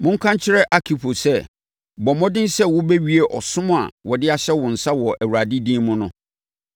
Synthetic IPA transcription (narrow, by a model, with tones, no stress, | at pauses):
mʊ̃˦ŋ̩˦kʰã˦ɲ˦t͡ɕʰɪ˦ɾɛ˦ʔa˦kʰi˨pʰo˨sɛ˦ | bɔ˨mɔ̃˦dɪ̃˦n˦sɛ˦wʊ˦bɛ˦ɥi˦e˦ʔɔ˨sʊ̃˦m̃˦a̰˨wɔ˨dɪ˦a˦ɕɛ˦wʊ̃˨n̩˨sa˦wɔ˨ʔæ˨wu˨ɾa˨di˦dĩː˦mʊ̃˦nʊ̃˦